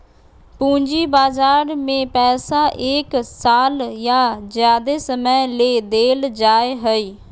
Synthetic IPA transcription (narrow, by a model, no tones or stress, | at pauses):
pũːɲd͡ʒiːbaːd͡ʒaːɾmẽːpɛːsaːʔeːksaːljaːd͡ʒjaːd̪eːsəməːleːd̪eːld͡ʒaːeɦəiː